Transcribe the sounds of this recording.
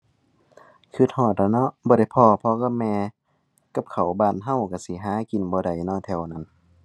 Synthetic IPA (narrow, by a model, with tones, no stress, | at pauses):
kʰɯ˧˩t̪̚hɔː˧˩t̪̚la˧˩nɔ˧˨bɔː˧ɾa˧˩jpʰɔː˧˩pʰɔ˧ka˧˨mɛː˧ | ka˧˦p̚kʰa˨˩wbaː˧˩˨nɦa˧˥˨wka˧˩si˧˦ɦaː˨˧˦ki˨nbɔː˧da˧˨˩jnɔː˧˥˨t̪ʰɛ˧˩wna˧˥˨n